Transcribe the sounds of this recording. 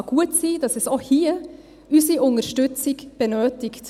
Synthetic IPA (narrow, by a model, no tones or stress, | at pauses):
ɡ̥uətsiːd̥ɑsɛsohiː | ysiʔʊnəʃtʏt͡sɪkb̥ɛnøːtɪkt